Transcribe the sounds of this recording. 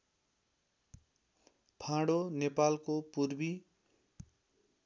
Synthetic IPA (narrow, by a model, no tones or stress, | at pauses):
pʰãɽonepalkopurbi